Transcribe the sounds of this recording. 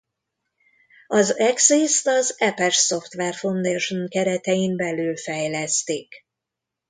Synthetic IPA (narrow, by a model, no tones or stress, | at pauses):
ɒzɛksist̪ɒzɛpɛʃso̞ft̪ʋɛrfond̪eːʃoŋkɛɾɛt̪ɛjimbɛlyːlfɛjlɛst̪eːk